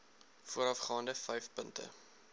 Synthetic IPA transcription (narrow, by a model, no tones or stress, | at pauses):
fuəɾɐfχɑːndəfɛjfpəntə̰